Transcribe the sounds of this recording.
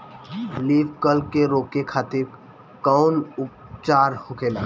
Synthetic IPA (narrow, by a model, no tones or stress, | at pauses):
liːbkəlkeɾoːkekʰaːt̪ɪɾ | kɔʊnʊpt͡ʃaːɾhokeːlaː